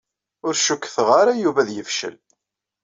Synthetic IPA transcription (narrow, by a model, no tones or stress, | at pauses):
ʊɾʃukːθʁaɾajuvæðjəfʃə̰l